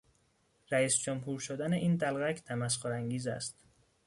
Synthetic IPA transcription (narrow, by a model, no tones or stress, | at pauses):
ɾæiːsd͡ʒomhuːɾʃod̪æneʔiːnd̪ælɣæcʰt̪ʰæmæsxoɾæŋɡiːzæ̰st̪